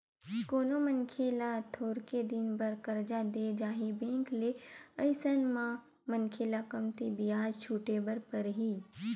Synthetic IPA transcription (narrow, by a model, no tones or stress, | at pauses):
koːnomənkʰeːlat̪ʰoːɾked̪ɪnbɐɾkɐɾd͡ʒad̪eːd͡ʒaːɦibẽːŋkleɐɪsənmã | mənkʰeːlakɐmt̪ibɪjaːd͡ʒt͡ʃʰuːʈebəɾpɐɾɦiː